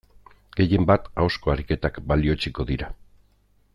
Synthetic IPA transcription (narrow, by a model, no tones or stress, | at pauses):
ɡ̥e̞je̞mbat̪aosko̞aɾike̞t̪akbalio̞t͡ʃiko̞ðiɾa